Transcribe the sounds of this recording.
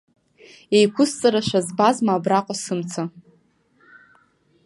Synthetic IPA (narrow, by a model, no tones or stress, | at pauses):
ejkʷʰʊst͡sʼaɾaʃʷazbazmaːbraqʷʼasɨmt͡sʰa